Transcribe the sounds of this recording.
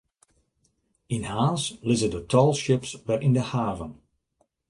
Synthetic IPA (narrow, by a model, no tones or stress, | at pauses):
ɪnhaːnslɪzədətʰɔlˠʃɪpsʋɛrʔɪndəhaːvən